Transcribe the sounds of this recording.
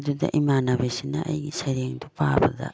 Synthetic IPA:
d̪ud̪a̰ʔimanabesinaʔa̰jɡisaɾijaŋd̪ɔpaːbad̪a̰

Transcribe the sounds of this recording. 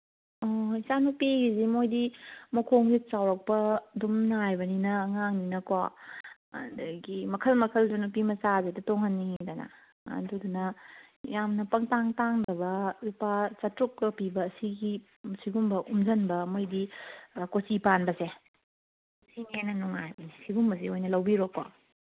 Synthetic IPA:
oisanupiɡizimojdimɐkʰoŋɡit͡ʃawɾɐk̚pɐdumnajbɐninɐːŋaŋninɐko̰ | dɐɡimɐkʰɐlmɐkʰɐlzanupimɐsazetɐtoŋɦɐnːidanɐ̰ | ɐ̰dudunɐjamnɐpɐŋtaŋtaŋdɐβɐlupat͡ʃɐtɾukːɐpibɐːsiɡi | siɡumbɐʔumd͡ʒɐnbɐmojdikot͡ʃipanbɐse | sinenɐnuŋa̰jbɐnisiɡumbɐseojnɐlɐwbiɾokːwa̰

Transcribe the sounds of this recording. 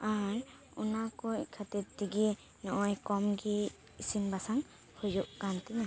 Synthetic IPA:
aɾ | unakɔkʰat̪ɛt̪t̪iɡi | nɔʔɔjkɔmɡiː | sinbasaŋ | hujuʔkant̪ɛna

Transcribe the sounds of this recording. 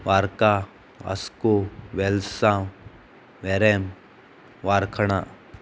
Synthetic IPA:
ʋaːɾka | a̰skoʋelsãːm | ʋeɾem | ʋaːɾkʰəɽ̃a

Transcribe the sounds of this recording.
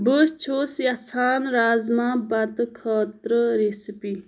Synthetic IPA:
bust͡ʃʰoːsjɐt͡sʰaːnɾaːzmãːbɐɾd̪kʰaːt̪ɾəɾesipi

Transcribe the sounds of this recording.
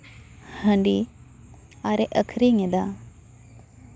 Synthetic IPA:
həɳɖi | aɾeʔəkʰɾiŋed̪a

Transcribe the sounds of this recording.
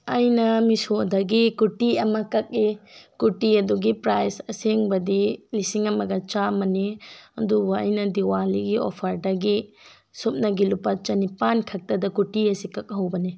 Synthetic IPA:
ɐjnɐmisodɐɡikuʈiɐmɐkɐk̚ikuʈiɐduɡipɾajsɐseŋbɐdilisiŋɐmɐɡɐt͡ʃamɐniɐdubɐɐ̰jnɐdiwaliɡio̰pʰɐɾdɐɡi | sup̚nɐɡilupɐt͡ʃɐnipankʰɐk̚tɐdɐkuʈiɐsikɐk̚ɦɐwbɐni

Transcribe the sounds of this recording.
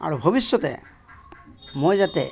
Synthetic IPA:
a̰ɹubʱobisːɔtɛ̰ | mojzatɛ̰

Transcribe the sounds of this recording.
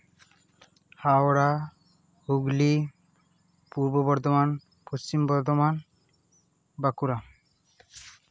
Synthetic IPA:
hawɾa | uɡli | puɾbobɔɾd̪oman | post͡ɕimbɔɾd̪oman | bakuɾa

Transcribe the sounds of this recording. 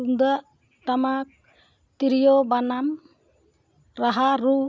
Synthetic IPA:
uŋd̪aʔ | t̪amak̚ | t̪iɾijɔbanam | ɾaɦaɾu

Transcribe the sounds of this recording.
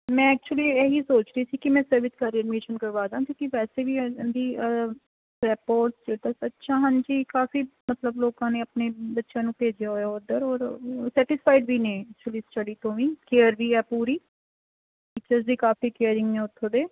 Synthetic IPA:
mɛ̃ːɛːk̚t͡ʃuəliːɛːɦiːsoːt͡ʃɾəiːsiːkɪmɛ̃ːsəɾʋɪskaːɾiɛɖmɪkeːʃənkəɾʋaːd̪ãːk̪jõːkiʋɛːseːʋiːd̪iː | ɾɛːpoːɾʈsd͡ʒeːʈ̪aːsətːʃʰãːɦənd͡ʒiːkaːfiːmət̪ləbloːkãːneːəpneːbətːʃjãːnũːpeːd͡ʒjaːɦoːjaːod̪əɾɔːɾsɛːʈɪspʰaːɪɖbiːnẽːɛk̚t͡ʃuəliːsʈəɖiːt̪õːʋĩːkeːəɾbiːɛːpuːɾiː | ʈɪt͡ʃəɾzd̪iːkaːfiːkeːəɾɪŋɡnẽːoːɾt̪ʰːoɽeː

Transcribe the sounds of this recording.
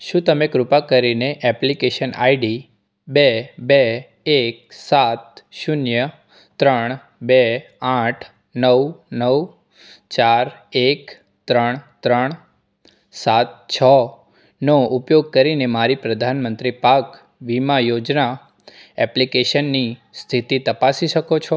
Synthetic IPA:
ʃũt̪əmekɾʊpakəɾineʔɛplikeʃəna̰iɖi | bebe | ek̚sat̪̚ʃʊnjə | t̪ɾəɳ̃ | be | ãʈʰ | nəwnəw | t͡ʃaɾek | t̪ɾəɳ̃t̪ɾəɳ̃ | sat̪̚t͡ʃʰɔ | noupjoɡ̚kəɾinemaɾipɾəd̪ʱanmənt̪ɾipak | ʋimajod͡ʒna | ɛplikeʃənːist̪ʰit̪it̪əpasiʃəkot͡ʃʰo

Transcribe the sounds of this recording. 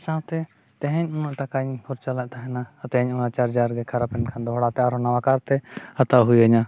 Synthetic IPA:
sat̪ɛ | t̪ɛ̃ɦɛ̃ɲɔnɔʔʈakaɲhɔɾt͡ʃalaʔt̪ʰaɦɛnat̪ɛ̃ɦɛɲɔnat͡ʃaɾd͡ʒaɾɡɛkʰaɾapɛɳkʰand̪ɔɦɔɽat̪ɛaɾɔnawakaɾt̪ɛhat̪aɦujaɲa

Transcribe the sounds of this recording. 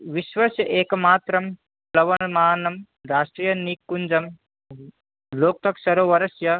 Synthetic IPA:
ʋiʃʋɐsjɐʔeːkɐmaːt̪ɾɐm | lɐʋɐmaːnɐm | ɾaːʃʈɾijɐnikːund͡ʒɐm | loːk̚t̪ɐksɐɾoːʋɐɾɐsjɐ

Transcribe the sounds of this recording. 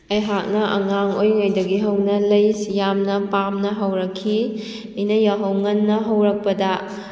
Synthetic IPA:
ɐjɦak̚nɐʔɐ̰ŋaŋojŋɐjdɐɡiɦɐwnɐlɐjsijamnɐpamnɐɦɐwɾɐkʰːi | ɐjnɐjaɦɐwŋɐnːɐɦɐwɾɐk̚pɐdɐ

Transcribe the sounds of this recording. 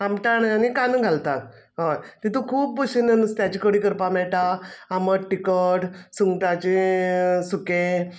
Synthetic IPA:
amʈaɳjanikanəɡʱalt̪at̪̚ | ɦojt̪it̪ukʰuːp̚bəɕinənust̪jat͡ɕikəɽiːkəɾpamɛɭʈaaməɾʈikəʈsuŋɡʈat͡ɕi | suke

